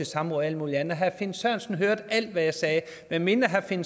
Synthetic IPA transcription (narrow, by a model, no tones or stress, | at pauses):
esɑ̈mʁɔðˠæləmuːliænð̩ɐɦæfe̝nsɶɐ̰nsn̩ɦøɐd̥æl̰d̥ʋæjɑ̈ɪsɛː | mæme̝nɐɦæfe̝n